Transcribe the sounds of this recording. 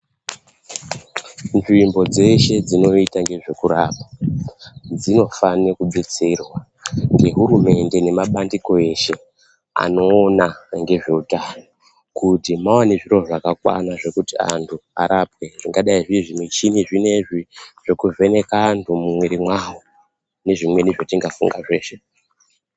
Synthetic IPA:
nʐimbo̞d͡ze̞ʃe̞d͡zino̞itaŋɡe̞ʐe̞kuɾaːɓa | d͡zino̞fanekuɓit͡sirwa | ŋɡe̞ɦuɾume̞nde̞ne̞maɓandiko̞e̞ʃe̞ | a̰no̞ːnaŋɡe̞ʐe̞utano | kutimawaneʐiroʐakakwa̰naʐe̞kutia̰ntʰua̰ɾapwe̞ʐ̥iŋɡaɗaiʐiʐimwet͡ʃiniʐine̞ʐiʐ̥ekuve̞ne̞kaːntʰumumweɾimwawo | ne̞ʐimwe̞niʐotiŋɡafṵŋɡaʐe̞ːʃe̞

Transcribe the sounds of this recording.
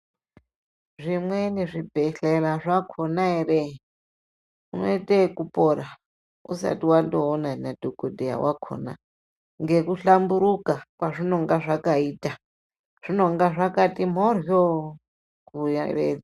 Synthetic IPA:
ʐimweneʐibʱeɬeraʐakʰonaeɾe | uno̰itekupʼoɾa | ṵsa̰tiwandoːnanadʱokodʱeja̰wakʰo̰na̰ | ŋɡe̞kuɬambuɾukakwaʐino̞ŋɡaʐakaiːta | ʐ̥ino̞ŋɡaʐakatim̤orjo | kuja̰rḛ

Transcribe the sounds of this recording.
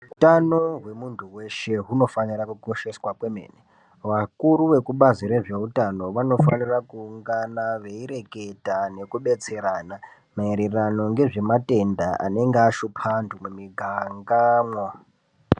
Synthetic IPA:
utanoɦwe̞muntʰuwe̞ʃe̞ɦuno̞fanirakukoʃe̞swapwemḛːne | ʋakuɾuʋe̞kuɓaziɾe̞ʐeutano̞ʋano̞fa̰nirakuːŋɡanaʋe̞iɾe̞ke̞tʼane̞kuɓe̞t͡se̞ɾaːna | maeɾerano̞ŋɡe̞ʐe̞mate̞ndaa̰ne̞ŋɡeaʃupʰantʰumumiɡʱaŋɡamwa

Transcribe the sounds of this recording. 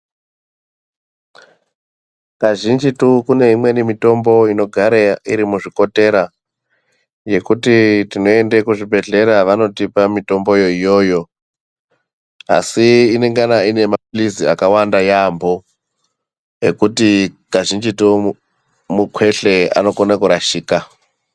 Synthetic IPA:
kaʒind͡ʒitukune̞ɦimwe̞nimito̞mbo̞ino̞ɡʱaɾaiɾimuʐiko̞te̞ɾa | je̞kutitino̞e̞ndekuʐibʱe̞ɮe̞ɾaʋano̞tipamito̞mbo̞jo̞ijo̞ːjo̞ | a̰siːne̞ŋɡanaine̞mapuliziakawandajambo̞ | ekuti | kaʒind͡ʒitu | mukwe̞ɬe̞a̰no̞konekoɾaʃiːka

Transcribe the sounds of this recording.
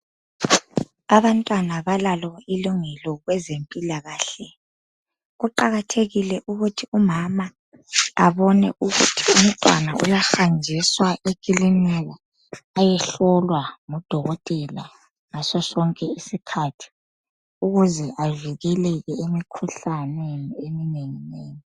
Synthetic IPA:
aβantʼwanaβalalɔiluŋɛlɔɣwɛzempʼilaɣaːɬɛ | ɣuǃaɣatʰeɣilɛʔuɣutʰiumama | aβɔnɛ̰ʔuɣutʰium̩tʼwa̰na̰ṵjaxand͡ʒʱiswaʔekʼilinɛɣɛ | ajɛɬɔlwaŋɔd̥ʱɔɣɔtʼɛla̰ | ŋasɔsɔŋkʼɛisikʰatʰi̥ | uɣuzɛʔaviɣɛlɛɣɛemikʰuɬaneniemineŋineːni

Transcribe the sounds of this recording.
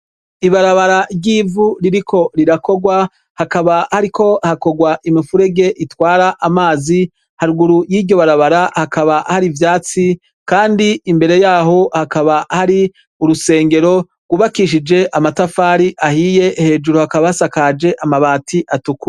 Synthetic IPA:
iβaɾaβaɾaɟiːvuɾiɾikʰo̞ɾiɾako̞ɡwa | hakaβahaɾikʰo̞hako̞ɡwaʔimifuɾe̞ɡe̞ʔitwaːɾaʔamaːzi | haɾuɡuɾujiːdɟjo̞βaɾaβaɾahakaβahaɾivjaːt͡si | kaːndiimbe̞ɾe̞jaːɦo̞hakaβahaɾi | uɾuse̞ːŋɡe̞ɾo̞ | ɡ̥wuβakiʃid͡ʒe̞ʔamatafaːɾiʔahije̞he̞ːd͡ʒuɾuhakaβaasakad͡ʒe̞ʔamaβaːtʰiʔatuku

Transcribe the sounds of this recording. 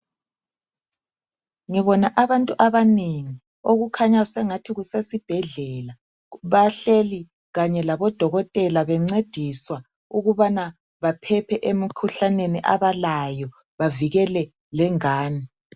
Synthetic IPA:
ŋiβɔnaʔaβantʼuʔaβaneŋi | oɣukʰaɲausɛŋatʰiɣusesib̥ʱɛɮɛla | βaɬeli | ɣaɲɛlaβɔd̥ʱɔɣɔtʼɛlaβɛŋ͡ǀed̥ʱiswa | uɣuβana | βapʰɛpʰɛʔemikʰuɬaneniʔaβalajɔ | βaviɣɛlɛ | lɛŋaːni

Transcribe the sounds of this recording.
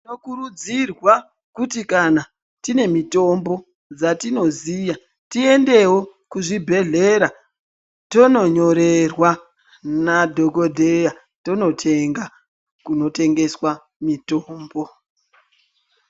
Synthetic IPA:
tinokuɾud͡zirwa | kutikana | tine̞mito̞mbo̞ | d͡zatino̞ziːja | tie̞nde̞wo | kuʐibʱe̞ɮe̞ɾa | to̞no̞ɲo̞ɾe̞rwa | nadʱo̞ɡo̞dʱe̞ja | to̞no̞tʰe̞ŋɡa | kuno̞te̞ŋɡe̞swa | mitoːmbo̞

